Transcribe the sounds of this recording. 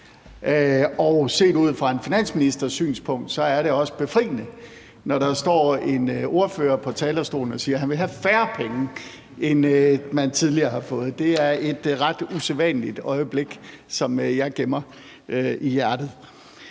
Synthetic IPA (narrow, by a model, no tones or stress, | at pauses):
ʔøɒʊse̝̰ːduð̰ˠfʁɑ̈e̝nfinæn̰sminisd̥ɐsy̰ːnspʰɔ̽ŋ̰d̥sɒ̽æɐɾe̝ɒ̽sə̥b̥e̝fʁḭːnə | nɒɾ̥ɑ̈sd̥ɒ̰ːe̝no̝ɐføːɐpʰɒ̽t͡sʰɛːlɐsd̥o̝̰ːln̩ɒ̽siːɐɦænʋe̝lɦæfæːɐpʰeŋ | ʔenmænt͡sʰiðˠliɐːhɑ̈fɔ̽ːð̞̩ˠd̥e̝æɐe̝d̥ʁɑ̈d̥useʋɛnlid̥ɒ̽ɪəb̥le̝ɡ̥ | sɒ̽mjɑ̈ɪɡ̥emɐ | ijæɐd̥ð̩ˠ